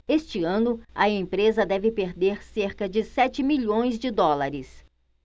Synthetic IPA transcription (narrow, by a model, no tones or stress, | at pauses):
est͡ʃɪɐ̃nʊɐẽpɾezɐd̪ɛvɪpeɾd̪eɾseɾkɐd͡ʒɪsɛt͡ʃɪmiʎõj̃zd͡ʒɪd̪ɔlaɾɪs